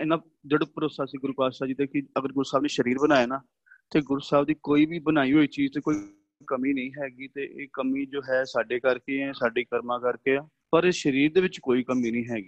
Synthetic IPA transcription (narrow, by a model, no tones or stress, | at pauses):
ɪnãː | d̪ɪɽpɾoːsaːsĩːɡʊɾuːkaːsaːd͡ʒiːt̪ɛːkɪəɡəɾɡʊɾuːsaːbneːʃəɾiːɾbənaːeːnaː | t̪eːɡʊɾusaːbd̪iːkoːiːbiːbənaːiːɦoːiːt͡ʃiːzt̪eːkoːi | kəmiːnəĩːɦɛːɡiːt̪eːʔeːkəmĩːd͡ʒoːɦɛːsaːɖeːkəɾkeɛ̃saːɖiːkəɾmãːkəɾkeːaː | pəɾeʃəɾiːɾd̪eːʋɪt͡ʃkoːiːkəmiːnəĩːɦɛːɡiː